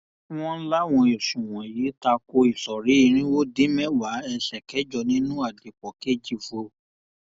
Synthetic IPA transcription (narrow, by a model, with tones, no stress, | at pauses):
w̃ɔ̃˦n̩˦la˦w̃ɔ̃˧o˨ʃũ˨w̃ɔ̃˨ji˨˦ta˧ko˧i˨sɔ˨ɾi˨˦i˦˨ɾ̃ĩ˦wo˦dĩ˦mɛ̃˦wa˨˦ɛ˧ʃɛ˨kɛ˨˦d͡ʒɔ˧˨nĩ˦nũ˦a˦˨de˨k͡pɔ˨ke˦˨d͡ʒi˦fo˧˦